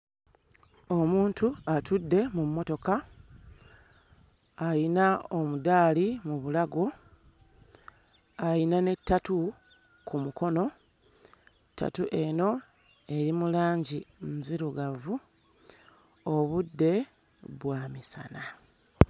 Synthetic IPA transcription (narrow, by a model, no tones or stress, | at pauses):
o̞muːntuatudːe̞mumːo̞to̞ka | jinao̞mudaːlimuβulaɡo | ajinane̞tːatu | kumuko̞no̞ | tːa̰tuʔe̞no̞ | e̞ɾimulaːɲɟimziɾuɡavu | o̞βudːe̞ | βwamisa̰na